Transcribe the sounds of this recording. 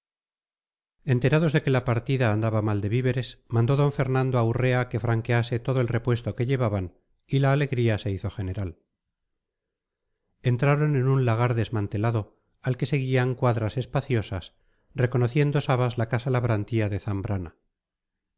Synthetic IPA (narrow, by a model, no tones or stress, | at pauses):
e̞nt̪e̞ɾaðo̞zðe̞kelapaɾt̪iðaːnd̪aβamald̪e̞βiβe̞ɾesmãnd̪o̞ðo̞ɱfe̞ɾnãnd̪oawre̞ake̞fɾaŋke̞ase̞t̪o̞ðo̞elre̞pwe̞st̪o̞ke̞ʎe̞βaβan | ilaːle̞ɣɾiase̞iθo̞xe̞ne̞ɾal | e̞nt̪ɾaɾo̞nenunlaɣ̞aɾðe̞zmãnt̪e̞laðo̞ | alke̞se̞ɣ̞iaŋkwaðɾase̞spaθjo̞sas | re̞ko̞noθje̞nd̪o̞saβazlakasalaβɾant̪iaðe̞θambɾana